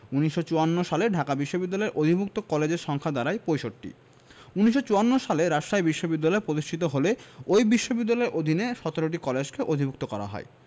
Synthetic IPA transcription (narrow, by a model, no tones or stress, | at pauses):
uniʃot͡ɕuanːoʃaleɖʱakabiʃːobid̪ːalɔeɾʔob̪ʱibʱuk̚t̪okɔled͡ʑeɾʃɔŋkʰad̪aɾajpojʃoʈʈḭ | uniʃ̬ːot͡ɕuanːoʃaleɾaʃajbiʃːobid̪ːalɔepɾod̪iʃʈʰit̪oɦoleojbiʃːobid̪ːalɔeɾʔod̪ʱineʃɔt̪oɾoʈ̬ikɔled͡ʑkeʔod̪ʱibʱuk̚t̪okɔɾa̰ɦɔ̰e